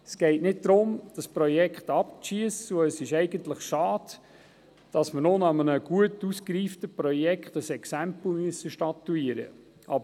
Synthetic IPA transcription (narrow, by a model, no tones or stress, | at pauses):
sɡ̥ɛɪtnɪt̚d̪ɾʊmd̥ɑspɾɔjɛkχtɑp̚ʃiəsuəsɪʃɛɪɡənt̪ləχʃɑːd | d̥ɑsmənonɑmənəɡ̥uətuskɾiːftəpɾɔjɛkχtəsɛksæmpl̩myəsːəʃtɑt̪ːuiːəɾə̰ | ɑbə